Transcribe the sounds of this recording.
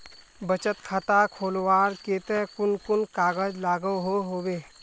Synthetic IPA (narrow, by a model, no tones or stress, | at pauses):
bət͡ʃət̪kʰat̪akʰoːlwaːɾkeːt̪ẽkʊnkʊnkaːɡəd͡ʒlaːɡəɦoɦoːweː